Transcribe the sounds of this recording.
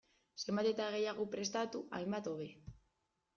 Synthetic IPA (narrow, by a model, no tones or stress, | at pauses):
se̞mbat̪e̞t̪aɣ̞e̞jaɣ̞o̞pɾe̞st̪at̪uʔajmbat̪o̞βe̞